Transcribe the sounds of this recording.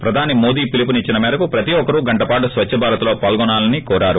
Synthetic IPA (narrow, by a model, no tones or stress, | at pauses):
pɾɐd̪ʱaːnimoːd̪iːpilipunit͡ʃːinɐmɛːɾɐkupɾɐt̪iɔkɐɾuɡɐɳʈɐpaːʈusʋɐt͡ʃʰːɐbʱaːɾɐt̪ulo̞ːpaːlɡɔnaːlɐnikɔːɾaːɾu